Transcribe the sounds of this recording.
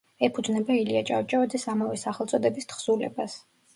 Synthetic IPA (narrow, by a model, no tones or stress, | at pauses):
ɛpʰud̪znɛbailiat͡ʃʼawt͡ʃʼavad̪zɛsamavɛsaχɛlˠt̪sʼɔd̪ɛbist̪χsulɛ̰bas